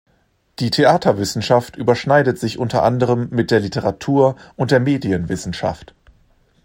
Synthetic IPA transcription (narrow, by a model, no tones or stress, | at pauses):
d̥iːtʰeʔaːtʰɐvɪsn̩ʃaftʔyːbɐʃnaɪdətz̥ɪçʔʊntɐʔandəʁəmːɪt̚d̥eːɐlitəʁatʰuːɐʔʊntd̥eːɐmeːdiənvɪsn̩ʃa̰ft